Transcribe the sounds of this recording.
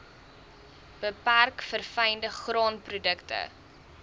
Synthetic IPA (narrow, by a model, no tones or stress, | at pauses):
b̥əpærkfərfɐjndəχrɑːnprudəktə̰